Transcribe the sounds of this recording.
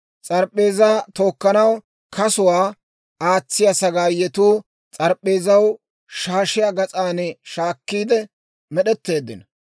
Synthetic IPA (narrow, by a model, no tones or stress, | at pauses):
t͡sʼɐɾpʼːe̞ːzaːt̪o̞ːkːɐnɐw | kɐsʊwaː | aːt͡sːɪjɐsɐɡaːjːɛt̪uː | t͡sʼɐɾpʼːe̞ːzɐw | ʃaːʃɪjaɡɐt͡sʼaːnɛʃaːkːiːd̪ɛ | mɛɗɛt̪ːe̞ːd̪ːɪnɐ